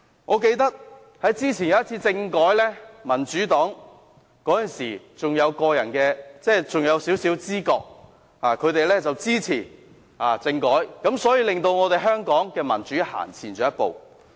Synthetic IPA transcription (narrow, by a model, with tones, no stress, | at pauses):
ŋɔː˨˧ke˧jt̪ɐ˥k̚ | hɐ˨˥jt͡siː˥t͡sʰi˨˩jɐ˨˦jɐ˥t̚t͡sʰiː˧t͡sɪ˧ŋkɔː˨˥jlɛː˥mɐ˨˩nt͡ʃyː˨˥t̪ɔː˨˥ŋ | kɔː˨˥jɐ˨˩nsḭː˨˩ | t͡sʊ˨ŋjɐ˨˧wkɔː˧jɐ̰˨˩nkɛː˧t͡sɛː˥˩t͡sʊ˨ŋjɐ˨˧wsiː˨˥wsiː˨˥wt͡siː˥kɔː˧k̚ | haː˨kʰɵ˨˧ɥt̪e˨jlɛː˥t͡sɐ˨wt͡siː˥t͡sʰḭː˨˩ | aː˨t͡sɪ˧ŋkɔː˨˥jkɐ˨˥msɔː˨˥jiː˧lɪ˨ŋt̪o˧wŋɔː˨˧t̪e˨jɦœː˥ŋkɔː˨˥ŋkɛː˧mɐ̰˨˩nt͡ʃyː˨˥ha̰ː˨˩nt͡sʰiː˨˩nt͡ʃɔː˨˥jɐ˥t̚po̰˨w